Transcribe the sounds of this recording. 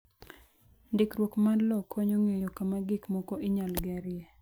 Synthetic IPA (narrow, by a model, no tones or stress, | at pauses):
ndɪkɾwokmanlɔkʰːɔɲoŋejokamaɡɪkmɔkoʔiɲalɡɛɾɪɛ